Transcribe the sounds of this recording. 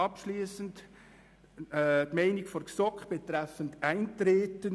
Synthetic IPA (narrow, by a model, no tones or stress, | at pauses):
ɑpʃliːsənt | tmaɪnɪkfɔɾksɔkχb̥ɛtɾɛfəntaɪntɾeːtən